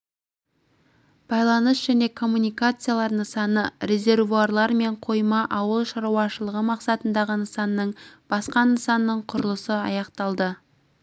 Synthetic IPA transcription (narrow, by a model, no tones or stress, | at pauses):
b̥ɑjlˠɑnəsʒ̥æne̞kʰo̞mːunijkat̪sɨjalˠɑɾnəsɑnəɾʲe̞zʲe̞rvuarlˠɑɾme̞ɴqʰo̞jmɑʔɑwəlˠʃɑɾuwɑʃəlˠəʁəmɑqsɑt̪ənd̪ɑʁənəsɑnːəɴb̥ɑsqɑnəsɑnːəɴqʰʊɾəlˠəsəɑ̰jɑqt̪ɑlˠd̪ə